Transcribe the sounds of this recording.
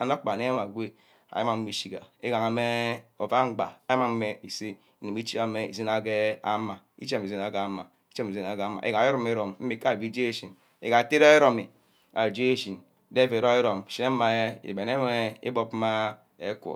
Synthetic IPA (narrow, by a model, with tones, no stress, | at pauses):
a˨no˦k͡pa˨ne˦a˦ma˨ɡʷe˦ | a̰˨ja˦ma˦˨m̩˦i˦ʃi˦ɡa̰˨e˦ɡa˨ŋa˨me˦o˨va˦ŋ͡m̩˦ɡ͡ba̰˨a˦ja˦ma˨m̩˦me˦i˨si˦ | i˨ni˨mi˦t͡ʃi˦a˦me˦ḭ˨zi˦na˦ɡe˦a˦ma˨ | ḭ˦t͡ʃe˦mi˨zi˦na˨ɡa˦˨˦ma˨ | i˦t͡ʃe˦mi˨zi˦na˨ɡa˦ma̰˨e˦ɡa˨e˦ɾo˦me˦ɾo˨mm̩˦i˦˨ka˦˨bi˦d͡ʒe˦e˦ʃi˨n | ḛ˨ɡa˨te˦ɾa˦e˦ɾo˦mi˨ | a˨d͡ʒe˦e˦ʃi˨n | de˦vi˨ɾo˦e˦ɾo˨m˨ʃi˦na˦ma˨e˦ḭ˨be˨ne˦me˦ḭ˦bo˦p̩˦ma˦ | e˦kʷo̰˨